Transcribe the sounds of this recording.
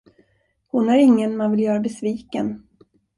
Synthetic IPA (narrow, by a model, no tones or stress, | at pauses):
hʊnæɾɪŋːənmanvɪljœːɾabɛsviːkən